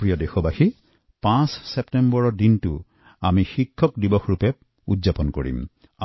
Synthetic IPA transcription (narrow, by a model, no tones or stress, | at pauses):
pɹijɔdexɔbaxi | pãssɛptɛmbɔɹɔdintʊ | amixikʰːɔk̚dibɔxɹupɛ | ṵdzapɔnko̰ɹḭm | a